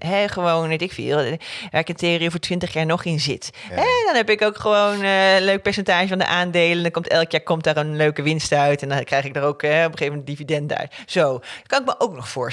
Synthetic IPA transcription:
ɦɛχəʋownɛtɪkfḭːlˠʋaːɹɪkənteoːrivəːɹtʋɪntəχjaːɹnɔχɪnzɪtɦɛdɔnɦɛpɪkowkχəʋownløɥk̚pɛɹsɛntaːʒəvɑndə̰ʔaːndejləndɔnkɔmtɛlˠkjaːɹkɔmtdaːɹənløɥkəʋɪnstœɥtɛndɔnkrɛjχɪɡ̚darowkɛɔpəχeːəmɛntdividɛndœ̰ɥtz̥owkɑnɪkməʔowknɔχfʊːɹ

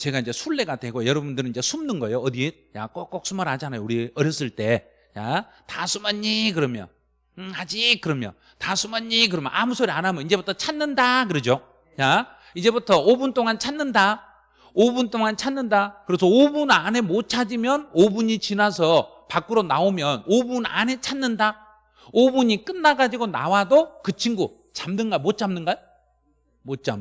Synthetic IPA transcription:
t͡ɕe̞ɡaind͡ʑe̞sʰuɭːe̞ɡadwe̞ɡojʌɾʌbundɯɾɯnind͡ʑesʰumnɯnɡʌejoʌdit̚ja̰k͈ok͈ːʌk̚s͈umaɾhad͡ʑanajouɾiʌɾjʌs͈ɯɭt͈e̞ | ja | tasʰumaɲːikɯɾʌmjʌ̰n | had͡ʑikɯɾʌmjʌ̰ | tasʰumaɲik̬ɯɾʌmjʌ̰nʔamusʰoɾianamjʌnid͡ʑe̞butʰʌt͡ɕʰanːɯndakɯɾed͡ʑo | ja | id͡ʑe̞butʰʌobunt͈oŋant͡ɕʰanːɯnda | obunt͈oŋant͡ɕʰanːɯndakɯɾesʰʌobunane̞mot̚t͡ɕʰad͡ʑimjʌnobuɲit͡ɕinasʰʌ | pak͈ɯɾona̰omjʌnobuna̰ne̞t͡ɕʰannɯnda | obuɲik͈ɯnːaɡad͡ʑiɡona̰wadokɯt͡ɕʰiŋɡu | t͡ɕamnɯnɡamot̚t͡ɕ͈amnɯnɡaj | mot̚t͡ɕ͈a̰m

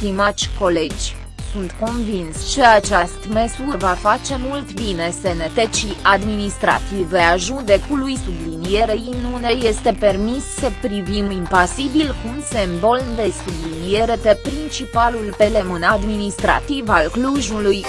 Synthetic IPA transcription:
t̪imat͡ʃʲko̞le̞d͡ʒʲ | sunt̪ko̞nvinst͡ʃe̞at͡ʃast̪mesuvafat͡ʃe̞mult̪bine̞senet̪et͡ʃiʔad̪minist̪ɾa̰t̪ive̞aʒud̪e̞kulujsublinie̞ɾeinuneje̞st̪e̞pe̞rmissəpɾivimimpasibilkumse̞mbo̞lnd̪e̞sublinije̞ɾe̞pepɾint͡ʃipalulpe̞le̞mɨnad̪minist̪ɾa̰t̪ivalkluʒuluj

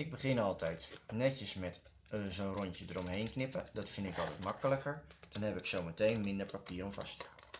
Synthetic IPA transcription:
ɪɡ̚bəχɪnɔlˠtʰɛjtnɛtjəsmɛt | zoːnroncədərɔmɦejnknɪpədɔtfɪndɪkɔlˠtɛ̰jtmakələkəɹd̥ɔnhɛpɪksowmətejnmɪndərpapiːɾomfa̰stəa

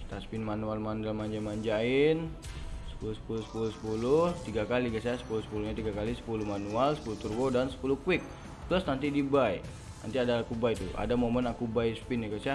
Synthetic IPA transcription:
st̪aspɪnmanualmandalmaɲd͡ʒamaɲd͡ʒaɪn | sə̥pulʊsə̥pulʊsə̥pulʊsə̥pulʊht̪iɡakaliɡasajasə̥pulʊsə̥puluhɲat̪iɡakalisə̥pulʊhmanualsə̥puluht̪urɡodansə̥pulʊhkwɪk̚ | t̪lʊsnant̪idibaj | na̰nt̪iadakubajt̪uʔa̰damomənakubajspɪnjakasa

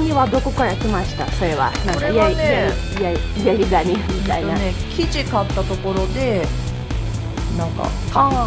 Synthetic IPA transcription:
ɲ̟iβad̪o̞ko̞kaɾakʲimaɕi̥t̪aso̞ɾe̞βa̰nãŋkajaijai | jaijaɾʲiɡaɲʲimʲit̪aiakʲid͡ʑikat̪ːat̪o̞ko̞ɾo̞d̪e̞ | nãŋka̰

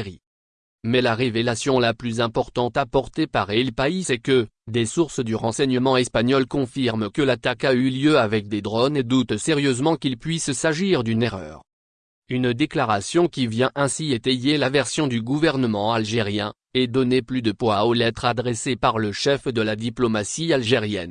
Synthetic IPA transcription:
ʁi | mɛlaʁevelasjɔ̃laplyzɛ̃pɔʁt̪ɑ̃t̪apɔʁt̪epaʁelpaisɛkəd̪esuʁsd̪yʁɑ̃sɛɲəmɑ̃ɛspaɲɔlkɔ̃fiʁmkəlat̪akayljøavɛk̚d̪ed̪ʁɔned̪ut̪seʁjøzmɑ̃kilpɥissaʒiʁd̪yneʁœ̰ːʁ | ynd̪eklaʁasjɔ̃kʲivjɛ̃ʔɛ̃siet̪ejelavɛʁsjɔ̃d̪yɡuvɛʁnəmɑ̃alʒeʁjɛ̃ | ed̪ɔneplyd̪əpwaolɛt̪χad̪ʁesepaʁləʃɛfd̪əlad̪iplɔmasialʒeʁjɛ̰n

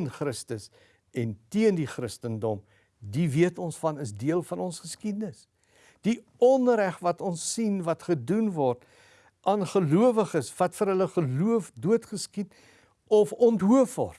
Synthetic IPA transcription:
nχrəstəs | ɛntiəndiχrəstəndɔm | diviətɔnsfɐnəsdiəlˠfɐnɔnsχəskidənəs | d̥i | ɔnræχvɐtɔnsːinvɐtχədunvɔrt | ʔɑːnχəluəvəχəsvɐtfəɾɦələχəluəfduətχəskit | ɔfɔntɦuəfvɔ̰rt

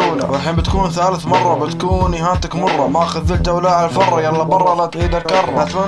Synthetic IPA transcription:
ala̰waħɪmbɪt̪kuːnθaːlɪθmɑrˤːɑbɪt̪kuːniɦaːt̪akmɑrˤːɑmaʔxʊːɪlt̪awlaːʕalalfɑrˤːɑjalːabɑrˤːɑlat̪ʕiːd̪alkɑrˤːʔat̪ma

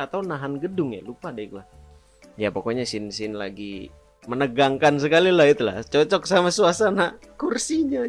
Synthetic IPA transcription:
at̪awnaɦanɡədʊŋja̰lupadɛik̪ulah | japokoɲasinsɪnlaɡi | mənəɡaŋkans̬əkalilahit̪ula̰t͡ʃɔt͡ʃɔk̚samasuasana | kursiɲa

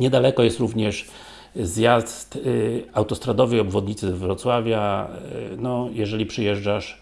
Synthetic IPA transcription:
ɲɛd̪alɛkɔjɛst̪ɾuvɲɛʂ | zjast̪awt̪ɔst̪ɾad̪ɔvɘjɔbvɔd̪ɲit̪sɘzvɾɔt̪swavʲja | nɔjɛʐɛlʲipʂɘjɛʐd͡ʐaʂ

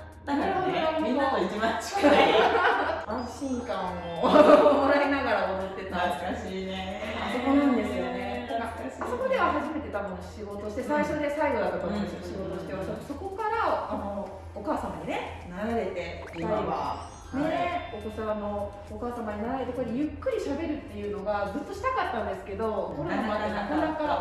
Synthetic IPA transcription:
naneɾod̪oooiɦõoikʲimat͡ɕi̥ | ãɕĩŋkãomoɾaɾe̞naɡaɾaomot̪ːe̞t̪aaɨ̥kaɕiːne | asokonãnd̪e̞sɨjonekaasaso̞ko̞d̪e̞βahaʑime̞t̪e̞t̪amɯnoɕiɡot̪o̞ɕi̥t̪e̞saiɕo̞d̪e̞saiɡo̞d̪at̪ːokaonosoɕiɡo̞t̪o̞ɕi̥t̪eat̪omoso̞ko̞kaɾaːno̞ | okaːsamaɲ̟ine̞ | naɾaɾe̞t̪e̞ | aiβa̰ | neok̪osaanoː | kaːsamaɲ̟inaɾaɾe̞t̪e̞koejɯ̟kːɯ̟ɾʲiɕabe̞ɾɯ̟t̪ːe̞jɯ̟ːno̞ɡazɨt̪ːo̞ɕi̥t̪akat̪ːãnd̪e̞sɨ̥ke̞d̪o̞konaakond̪aŋkaɾa

